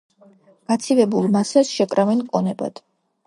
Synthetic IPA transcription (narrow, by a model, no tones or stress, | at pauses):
ɡ̥at̪sʰivɛbulˠmasasʃɛkʼɾavɛnkʼɔnɛba̰d̪̥